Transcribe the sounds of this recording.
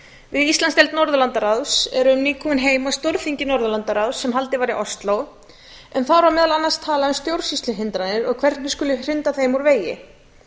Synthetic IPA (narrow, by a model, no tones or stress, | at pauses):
vɪðist̪anst̪ɛlt̪nɔɾðʏlant̪aɾawsɛ̰ɾʏmniːkʰuʏnɦeːjmast̪oɾfiɲcɪnɔɾðʏlant̪aɾawsːɛmɦalt̪ɪvaːɾɪʔɔst̪low | ɛnθawɾamɛːðalanːanst̪ʰaːlaʏmst̪jowɾ̥sist̪lʏɦɪnt̪ɾanɪɾɔɣkʰv̥ɛr̥t̪mɪskʏlɪr̥ɪnt̪aθejmuɾveːjɪ